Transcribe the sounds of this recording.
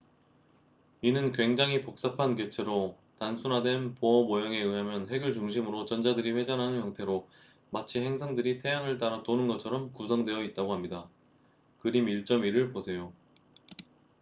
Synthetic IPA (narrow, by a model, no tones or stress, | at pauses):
inɯnkɥwe̞ŋd͡ʑaŋɦipok̚s͈apʰanket͡ɕʰeɾo | tansʰunɦadwe̞npoʌmojʌŋe̞ɯɦamjʌnɦe̞ɡɯɭt͡ɕuŋɕʰimɯɾot͡ɕʌnd͡ʑadɯɾiɸwe̞d͡ʑanɦanɯnçjʌŋtʰe̞ɾo | mat͡ɕʰihe̞ŋsʰaŋdɯɾitʰe̞jaŋɯɭt͈aɾʌtonɯnɡʌt͡ɕʰʌɾʌmkusʰʌŋdwe̞jʌit̚t͈aɡohamɲida | kɯɾimiɭt͡ɕ͈ʌmiɾɯɭposʰe̞jo